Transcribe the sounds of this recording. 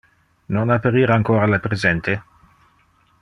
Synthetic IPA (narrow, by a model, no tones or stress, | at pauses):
nonapːaɾiːɾaŋkoːɾalapɾezɛnt̪e